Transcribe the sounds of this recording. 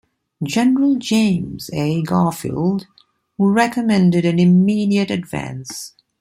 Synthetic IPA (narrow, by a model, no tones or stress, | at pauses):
d͡ʒɛnəɹəlˠd͡ʒẽɪ̃mzeɡɑːfḭld | huɹɛkəmɛ̃ndɨɾɨ̃nɪmiːɾiɨtɨdvæ̰̃ns